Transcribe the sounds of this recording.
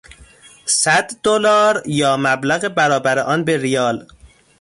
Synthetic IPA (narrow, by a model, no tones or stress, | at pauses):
sæd̪d̪olɒːɾjɒːmæblæɣebæɾɒːbæɾeʔɒːnbeɾijɒːl